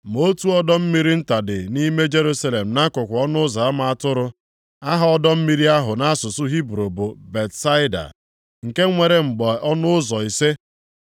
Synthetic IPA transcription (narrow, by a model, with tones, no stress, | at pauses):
m˨o˦tu˦ɔ˦dɔ˦m̩˦mi˦ɾi˦n̩˦ta˨dɪ˨ni˦me˦d͡ʒe˦ɾu˦sa˦le˨m̩˨na˦kʊ˨kʷʊ˨ɔ˦nʊ˦za˨a˦ma˨a˦tʊ˦ɾʊ˦ | a˦ɦa˨ɔ˦dɔ˦m̩˦mi˦ɾi˦a˦ɦʊ˨na˦a˦sʊ˨sʊ˦ɦi˦bɾo˨bo˨be˨tsa˦ɪ˦da̰˨ | ŋ̩˨ke˦ŋʷe˨ɾe˨ŋ͡m̩˨ɡ͡bɔ˨ʔɔ˦nʊ˦ʊ˦zɔ˨i˨se˦